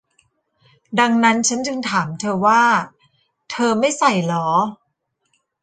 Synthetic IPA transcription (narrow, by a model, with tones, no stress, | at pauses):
da˧ŋna˦˥nt͡ɕʰa˦˥nt͡ɕɯ˧ŋt̪ʰaː˩˦mt̪ʰɤː˧waː˥˩ | t̪ʰɤː˧ma˥˩jsa˨˩jlɔː˩˦